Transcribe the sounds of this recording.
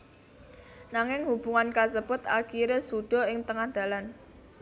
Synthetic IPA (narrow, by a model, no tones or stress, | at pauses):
naŋɪŋhub̥uŋankasəpʊt̪akiɾesud̪̥ɔ̤ɪŋt̪əŋahd̪̥ä̤lan